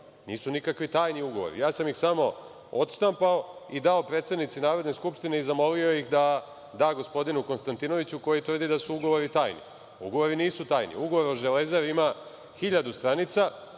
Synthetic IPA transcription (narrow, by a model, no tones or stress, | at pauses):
niːsunikakʋit̪aːjniuɡo̞ʋo̰ɾḭjaːsamjixsamo̞ | ot̪st̪ampaoid̪ao̞pɾet̪st̪ed̪nit̪sinaːɾo̞d̪ne̞skupʂt̪ineizamo̞lio̞jixd̪a | d̪aːɡo̞spo̞d̪inuko̞nst̪ant̪ino̞ʋit͡ɕuko̞jit̪ʋɾr̩d̪id̪asuuɡo̞ʋo̞ɾit̪aːjnḭ | ṵɡo̞ʋo̞ɾiniːsut̪aːjnḭuɡo̞ʋo̞ɾoʒelezaɾima | xiʎad̪ust̪ɾanit̪sa